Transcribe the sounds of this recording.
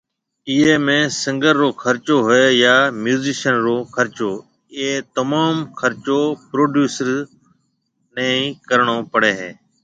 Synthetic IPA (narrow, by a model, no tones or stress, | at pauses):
iːɦeːmẽːsɪ̃ŋɡəɾːoːkʰəɾt͡ʃoːɦʊeːjaːmjuːziːʃənɾoːkʰəɾt͡ʃoː | ɪeːt̪əmaːmkʰəɾt͡ʃoːpɾoːɖjuːsəɾ | nẽːĩːkəɾɳoːpəɽeːɦeː